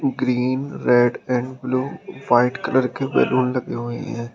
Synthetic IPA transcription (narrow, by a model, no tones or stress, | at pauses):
ɡɾiːnɾɛːɖɛ̃ːɳɖbluːʋaːɪʈkələɾkeʋɛ̰ːluːnləɡeɦoːḛɦɛ̃ː